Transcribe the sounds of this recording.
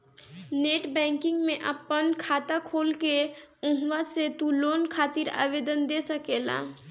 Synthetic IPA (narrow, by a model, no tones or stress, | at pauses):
neːʈbɛ̃ːŋkɪ̃ŋɡmẽʔɐpənkʰaːt̪akʰoːlke | ʊ̃ɦwaset̪uloːnkʰaːt̪iɾa̰ːʋeːd̪ənd̪eːsəkeːla̰ː